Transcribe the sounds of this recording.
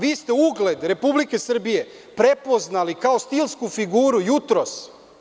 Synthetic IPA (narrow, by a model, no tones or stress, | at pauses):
ʋiːst̪e̞uɡle̞d̪ɾe̞publike̞sr̩bije̞ | pɾe̞po̞znalikao̞st̪ilˠskufiɡuːɾujut̪ɾo̞s